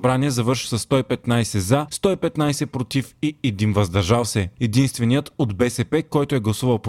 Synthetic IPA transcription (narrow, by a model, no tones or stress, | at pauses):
bɾaniɛzɐvɤɾʃi̥sɐsːt̪ɔipɛt̪najsɛzast̪ɔipɛt̪najsɛpɾot̪ifiɛd̪invɐzd̪ɐɾʒalˠsɛɛd̪inst̪vɛnijət̪od̪bɛsɛpɛkɔjt̪oɛɡlˠɐsuvɐlˠp